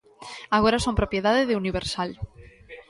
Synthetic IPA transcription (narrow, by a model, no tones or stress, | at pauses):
aɣ̞oɾasompɾopje̞ðaðeðeuniβ̞eɾsal